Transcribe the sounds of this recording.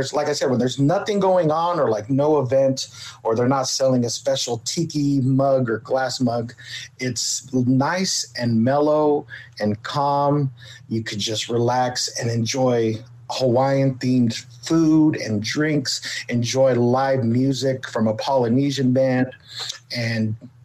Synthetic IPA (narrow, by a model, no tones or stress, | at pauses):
ə˞zlaɪkaɪsɛd̚wə̃n̩ðə˞znʌθɪ̃ŋɡoʊɪ̃ŋə̃nə˞laɪk̚noʊəvɛ̃ntə˞ðə˞nətsɛlˠɪ̃ŋɨspɛʃl̩ˠtʰikimʌɡə˞ɡlæsmʌɡɪtsnaɪsɨ̃nmɛlˠoʊɨ̃nkʰɑ̃mjɨkʰɨd̚d͡ʒʌst̚ɹilæksɨ̃nɨ̃nd͡ʒɔɪ | həwaɪɨ̃nθĩmz̥ | fuɾɨ̰̃ndɹɪ̃ŋksɨ̃nd͡ʒɔɪlaɪvmjʉzɪkfɹʌ̃məpʰɑlˠɨniʒɨ̃nbæ̃ndɨ̃n